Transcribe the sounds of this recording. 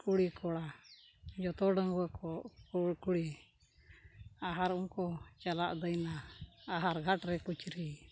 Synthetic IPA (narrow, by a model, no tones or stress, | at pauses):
kuɽikɔɽa | d͡ʒɔt̪ɔɖəŋɡɔwɛkɔʔkuɽkuɽi | aɦaɾuŋkɔt͡ʃalaʔd̪əjnaaɦaɾɡʱaʈɾɛkut͡ʃɾi